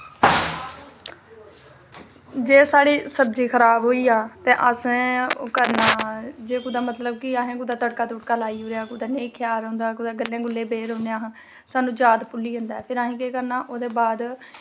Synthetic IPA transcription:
d͡ʒeːsaːɽiːsəb̚d͡ʒiːkʰəɾaːbɦoːiːaːt̪ẽːʔəskəɾnaːd͡ʒeːkʊd̪aːmət̪ləb̚kɪaːɦẽːk̬ʊd̪aːt̪əɽkaːt̪ʊʈkaːlaːiːuːɾeaːkʊd̪aːneːkʰjaːɾõːnd̪aːkʊd̪aːɡəlːjãːɡʊlːeːbeːɾɦõːneaːɦãː | saːnũːd͡ʒaːd̪pʊlːiːɦə̃nd̪aːpʰɪɾaːɦẽːkeːkəɾnaːʔoːd̪eːbaːd̪

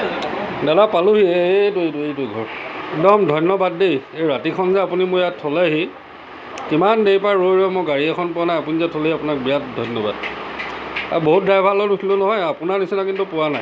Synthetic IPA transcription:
dadapaluɦietoejtuejtʊɡʱɔɹɛk̚dɔmdʱɔjnːɔbadːejejɹatikʰɔnzɛapunimʊjattʰːɔlaɦi | kimandejpaɹːojɹɔmʊɡaɹiɛkʰɔnpʊanajapunizɛtʰɔleɦiapʊnak̚bijat̚dʱɔjnɔba̰d | a̰boɦut̚dajbʱalɔdukʰilonɔɦɔjapʊnanisinakintupʊwanaj

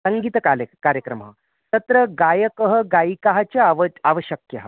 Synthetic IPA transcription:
səŋɡit̪əkakaɾjəkɾəm̤a̰ | t̪ət̪ɾəɡajəkəɦəɡaikaɦat͡ɕaʋaʋəɕjəkjɐɦ

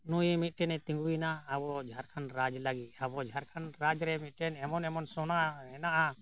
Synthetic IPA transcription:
nujmit̪̚ˀʈɛnɛt̪ĩŋɡuinaːbɔd͡ʒʱaɾkʰanɾad͡ʒlaɡit̪̚ˀabɔd͡ʒʱaɾkʰanɾad͡ʒɾɛmit̪̚ˀʈɛnɛmɔnɛmɔnsɔnaɦɛnaʔa

